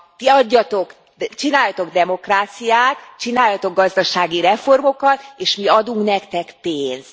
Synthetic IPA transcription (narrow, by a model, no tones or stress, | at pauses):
t̪iɒɟːɒt̪o̞k | t͡ʃinaːjːɒt̪o̞ɡd̪ɛmo̞kraːt̪sijaːt̪t͡ʃinaːjːɒt̪o̞ɡːɒzd̪ɒʃaːɡiɾɛfo̞rmo̞kɒt̪eːʃmiɒd̪uŋknɛkt̪ɛkpeːns